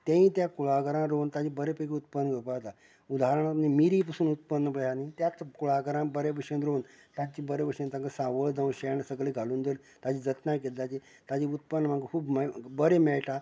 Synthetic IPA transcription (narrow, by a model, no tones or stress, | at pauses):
t̪ãĩt̪jakuɭakəɾãɾont̪ad͡ʑĩbəɾepəkeut̪̚pənːəɡəpat̪a | ud̪ʱaɾəɽ̃amimiɾiːp̬əsuːnut̪̚pənːəpəjanĩt̪jat̪kuɭaɡəɾãbəɾebəʂenɾon | t̪at͡ɕibəɾepəʂə̃nt̪ãŋɡəsãʋəɭd͡zãw̃ɕeɳsəɡɭiɡʱaluːnd̪əɾ | t̪ad͡ʑiːd͡zət̪najk̬elt̪at͡ɕi | t̪ad͡ʑiːut̪̚pənːəm̤ãŋɡəkʰuːbmbəɾemɛɭʈa